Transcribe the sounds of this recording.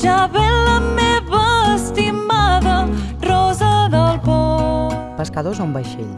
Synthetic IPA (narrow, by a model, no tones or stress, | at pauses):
ʒaβɛləmeβəːst̪imaðərɔzəðəlˠpɔ | pəskaðozaumbajʃḛʎ